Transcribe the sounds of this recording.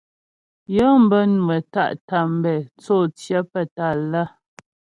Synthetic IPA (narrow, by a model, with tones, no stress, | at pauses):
jɔ˦m̩˦bə˦nu˨ə˨ta̰˦˨ʔta˨m̩˨bɛ˨t͡so˦˨t͡sjə˦pə˨ta˦˨la˦˨